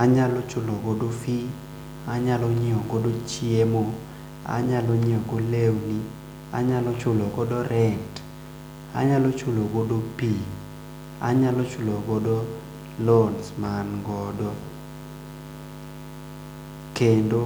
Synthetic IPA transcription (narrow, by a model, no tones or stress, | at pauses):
aɲalot͡ʃʊloɡodofi | aɲaloɲiɔɡodot͡ʃjiemo | a̰ɲaloɲiɔɡolewni | a̰ɲalɔt͡ʃʊloɡɔdɔɾɛnt | a̰ɲalot͡ʃʊloɡodopi | a̰ɲalot͡ʃʊloɡɔdo | lonsmanɡɔdɔ | kendo